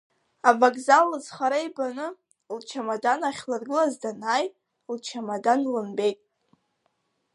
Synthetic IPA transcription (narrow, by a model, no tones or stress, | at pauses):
avakʼzalːɨzχaɾajbanɨ | lt͡ʃʰamadanaχʲlarɡɨlazdanaːjtʼ | lt͡ʃʰamadanlɨnbe̞jtʼ